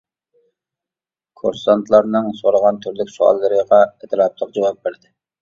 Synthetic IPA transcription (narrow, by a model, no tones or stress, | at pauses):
kʰo̰ɾsɑnt̪ʰlˠɑɾnɨŋsoɾəʁɑnt̪ʰyɾlykʲsuɑ̰lˠːɨɾəʁɑet̪ʰɨɾɑp̚lˠəq̚d͡ʒɑwɑp̚beɾd̪ɪ